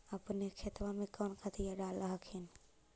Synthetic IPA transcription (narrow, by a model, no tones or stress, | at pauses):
ɐpnekʰeːt̪ʋãmẽkoːnkʰat̪ʰijaɗaːlaɦkʰɪnɪ